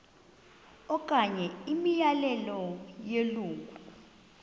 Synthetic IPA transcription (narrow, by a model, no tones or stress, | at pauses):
ɔkʼaɲɛimijalɛlɔjeluːŋkʼu